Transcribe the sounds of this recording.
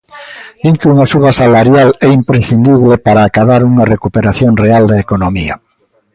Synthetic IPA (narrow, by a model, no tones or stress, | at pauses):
biŋkuŋasuβasalaɾjalɛimpɾesθind̪iβlepaɾaːkaðaɾuŋarekupeɾaθjonreald̪eekonomia̰